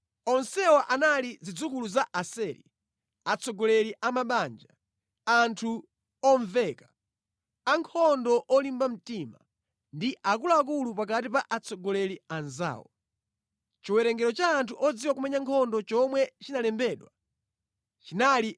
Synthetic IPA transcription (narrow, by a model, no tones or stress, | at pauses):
ɔnsɛwaʔanalizid͡zukuluzaʔasɛɾḭ | at͡sʰɔɡɔlɛliʔamaɓand͡ʒa | antʰu | ɔɱvɛka | aŋkʰɔndɔʔɔlimbam̩tima | ndiʔak̬ulaːk̬ulupak̬atipaʔat͡sʰɔɡɔlɛlianza̰ːwɔ̰ | t͡ʃiwɛɾɛŋɡɛɾɔt͡ʃaːntʰuʔɔd͡ziwak̬umɛɲaŋkʰɔndɔt͡ʃɔmwɛt͡ʃinalɛmbɛɗwa | t͡ʃinali